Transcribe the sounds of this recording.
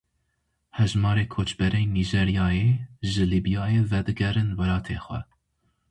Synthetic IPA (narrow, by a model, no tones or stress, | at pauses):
hɛʒmɑːɾeːkʰoːt͡ʃbɛɾejniʒeɾijɑːjeːʒɨliːbijɑːjeːvɛd̪ɨɡɛrɨnwɛɾɑːt̪ʰeːxʷɛ̰